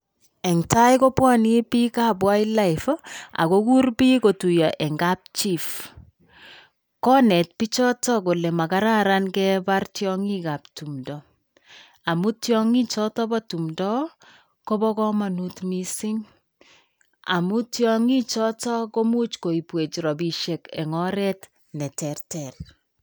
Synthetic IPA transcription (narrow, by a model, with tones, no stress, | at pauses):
ɛ˨ŋta˦jko˦pwɔ˦ni˦pi˦ka˦˨bwa˦i˦la˦ifa̰˨ko˦ku˦rpi˦ko˨tu˨jɔ˨ʔɛ˨ŋɡa˦p̚t͡ʃi˦f | kɔ˦nɛ˨t̚pi˦t͡ʃɔ˦tɔ˦ko˨lɛ˨ma˨ka˦ɾa˦ɾa˦nkɛ˦ba˦rtjɔ˦ŋi˦ka˨p̚tu˨mdɔ˨ | a˨mu˦tjɔ˦ŋi˦t͡ʃɔ˦tɔ˦bɔ˦tu˨mdɔ˦ | ko˦bɔ˦kɔ˦ma˨nu˦tmi˦sɪ˦ŋ | a̰˨mu˦tjɔŋi˦t͡ʃɔ˦tɔ˦ko˦mu˦t͡ʃko˨i˨pwe˨t͡ʃɾɔ˨bi˨ʃe˨kɛ̰˨ŋɔ˦ɾɛ˦t | nɛ˨tɛ˨rtɛr